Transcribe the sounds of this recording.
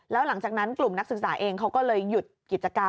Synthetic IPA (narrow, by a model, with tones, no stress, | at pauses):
lɛː˦˥wla˩˦ŋt͡ɕaː˨˩k̚na˦˥nklu˨˩mna˦˥k̚sɯ˨˩k̚saː˩˦ʔeː˧ŋkʰa˦˥wkɔː˥˩lɤː˧jːu˨˩t̪̚ki˨˩t̪̚t͡ɕa˧ka˧